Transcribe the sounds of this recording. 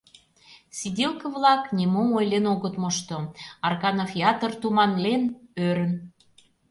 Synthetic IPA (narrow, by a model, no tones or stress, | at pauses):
sid̪ʲelkə̆vlɑknʲemomojlenoɣət̪mɤ̆ʃt̪ŏɑrkɑnofʲiɑt̪ərt̪umɑnlenøɾə̆n